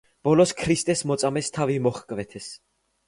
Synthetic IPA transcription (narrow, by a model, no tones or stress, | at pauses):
b̥ɔlɔskʰɾist̪ʼɛsmɔt̪sʼamɛst̪ʰavimɔχkʼvɛt̪ʰɛs